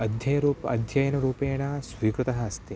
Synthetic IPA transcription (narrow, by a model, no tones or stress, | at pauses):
ɐd̪ʱjɐjɐɾuːpɐ̰d̪ʱjɐjɐnɐɾuːpeːɳaːsʋiːkɾut̪ɐɦɐɐst̪e